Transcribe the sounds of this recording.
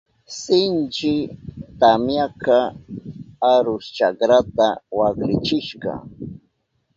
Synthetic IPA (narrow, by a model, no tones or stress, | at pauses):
sɪnt͡ʃɪt̪amjaka | aɾʊst͡ʃakɾat̪awakɾɪt͡ʃɪʃɢɑ̰